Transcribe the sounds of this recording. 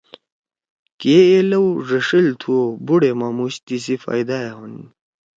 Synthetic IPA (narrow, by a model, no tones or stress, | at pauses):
keelɐwʐɐʂilt̪ʰuobuɽemamuɕt̪isifa̰jd̪aeɦun